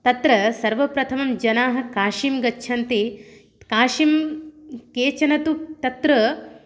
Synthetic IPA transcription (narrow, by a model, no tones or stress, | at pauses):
t̪ɐt̪ɾɐsɐɾʋɐpɾɐt̪ʰɐmɐmd͡ʒɐnaːɦɐ̆kaːʂimɡɐtːʃʰɐnt̪eː | kaːʂim | keːt͡ʃɐnɐt̪ut̪ɐt̪ɾɐ